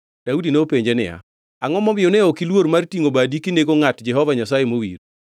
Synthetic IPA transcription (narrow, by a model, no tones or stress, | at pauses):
d̥audineːpeɲd͡ʒenɪ̰a̰ | aŋɔmɔmɪjoneɔkilwoɾmartiŋobadikineɡoŋatd͡ʒɛɦɔvaɲasajemowḭɾ